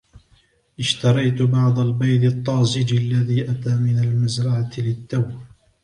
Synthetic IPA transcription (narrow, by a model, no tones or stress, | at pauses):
ʔɪʃt̪ɑɾˤɑjt̪bɑʕd̪ˤɑlbajd̪ɨt̪ˤːɑːzɪd͡ʒalːaðiːʔat̪aːmɪnalmazɾˤɑʕalɪt̪ːawb